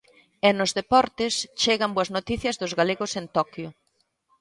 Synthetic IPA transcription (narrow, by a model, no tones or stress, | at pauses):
enʊzðepɔɾt̪ɪst͡ʃeɣɐmboɐznot̪iθjɐzðʊzɣaleɣʊsent̪ɔkjʊ